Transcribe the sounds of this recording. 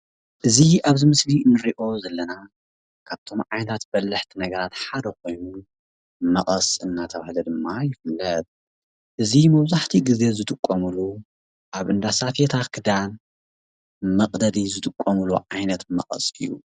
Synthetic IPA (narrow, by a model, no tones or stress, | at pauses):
ʔɨziaβzɨmɨslinɨɾiʔo̞zɐlːɐna | kʰaβt̪ʰo̞mʕajnɐt̪ʰat̪b̥ɐlːɨħt̪ʰinɐɡɐɾat̪ħad̪ɐkʰo̞jnu | mɐχʼɐsʼɨnːat̪ʰɐβahlɐd̪ɨmːajɪfɨlːɐt̪̚ | ʔɨzimɐβzaħt̪ʰiɡize̞zɨt̪ʼɨkʼːɐmulu | ʔaβʔɨnd̪asafet̪ʰakʰɨd̪an | mɐqʼd̪ɐd̪izɨt̪ʼɨkʼːɐmuluʕajnɐt̪mɐ̰qʼɐ̰sʼɨjːṵ